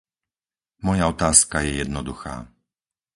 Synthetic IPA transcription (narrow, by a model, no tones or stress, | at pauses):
mɔjaɔt̪aːskajɛjɛd̪nɔd̪uxa̰ː